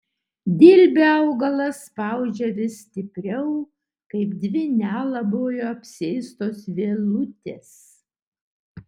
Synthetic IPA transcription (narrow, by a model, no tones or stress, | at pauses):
d̪ʲɪlʲbʲeɐʊɡɐlˠɐspɑˑʊd͡ʒʲɛʋʲɪsʲt̪ʲɪpʲɾʲɛʊ | kɐɪpd̪ʲʋʲɪnʲæːlˠɐbojoːɐpʲsʲɪɛɪst̪oːsʋʲelˠʊt̪ʲeːs